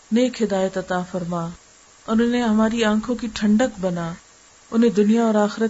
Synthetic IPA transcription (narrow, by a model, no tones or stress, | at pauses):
neːkɦɪd̪aːjət̪ɐt̪afɐɾmaː | ɐnʊnẽɦɐmaːɾiãːkʰõkiʈʰɐ̃ɳɖəkbɐnaː | ʊn̤ẽd̪ʊnijaɔːɾaːxɪɾə